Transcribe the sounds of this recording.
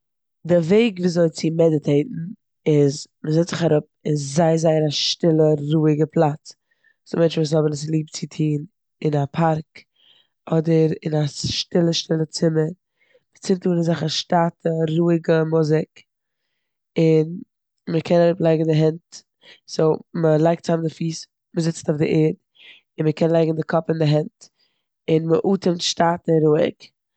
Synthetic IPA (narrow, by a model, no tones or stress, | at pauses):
dɪveɪɡviːzoɪnt͡sɪmɛdɪtʰeɪtn̩ | ɪz | məzɛt͡stz̥ɪχaɾʊp̚ɪnszaɪzaɪənaʃtɪlˠəɾuːɪɡəpʰlˠat͡s | səmɛnt͡ʃvuːs̬hɔbənəs̬lˠiːp̚t͡sɪtʰiːn | ɪnapʰaɾk | ɔdəɾɪ̰naʃtɪlˠəʃtɪlˠət͡sɪməɾ | mət͡sɪmtuːnɪnzaχəʃtaːtəɾuːɪɡəmʊzɪk | ɪn | məkʰɛnlˠaɪɡŋ̩dɪɦɛnt | soːməlˠaɪk̚tt͡samdɪfiːs | məzɪt͡staʊfdɪʔɛːɾd | ɪnməkʰɛnlˠaɪɡŋ̩dɪkʰɔpɪndɪɦɛnt | ɪnməʔuːtʰəmtʃtaːtəɾuːɪ̰k